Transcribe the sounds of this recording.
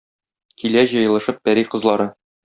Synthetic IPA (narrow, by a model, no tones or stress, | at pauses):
kʰilæʑɤ̆jɤ̆lˠɤ̆ʃɤp̚bæɾiqɤ̆zlˠɑɾɤ